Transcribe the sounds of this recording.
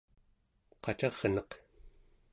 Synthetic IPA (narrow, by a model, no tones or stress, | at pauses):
qɑt͡ʃɑʁnʌq